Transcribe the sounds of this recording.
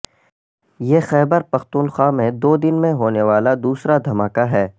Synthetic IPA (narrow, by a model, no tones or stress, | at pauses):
jeːxɛːbəɾpɐxt̪uːnxaːmẽd̪oːd̪ɪnmẽɦoːneʋaːlad̪uːsɾad̪ʱɐmaːkaɦɛː